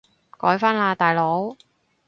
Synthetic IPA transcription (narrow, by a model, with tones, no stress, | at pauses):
kɔː˨˥jfaː˥nlaː˧t̪aː˨˩jlo˨˥w